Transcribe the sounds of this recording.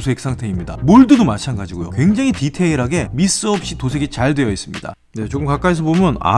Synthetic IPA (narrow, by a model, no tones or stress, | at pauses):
sʰoek̚s͈aŋtʰe̞imɲida̰moɭdɯdomat͡ɕʰanɡad͡ʑiɡojo̰kwe̞ŋd͡ʑaŋɦititʰe̞iɾɦaɡe̞mis͈ɯʌp̚ɕ͈itosʰe̞ɡit͡ɕaɭdwe̞jʌis͈ɯmɲida̰ | ne̞t͡ɕoɡɯmkak͈ais̬ʰʌbomjʌna̰